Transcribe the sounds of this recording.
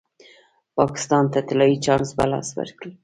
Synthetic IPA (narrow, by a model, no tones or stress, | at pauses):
pɑkɪ̥st̪ɑnt̪at̪ɪlɑit͡ʃɑnsba̰lɑ̰swa̰ɾkɽi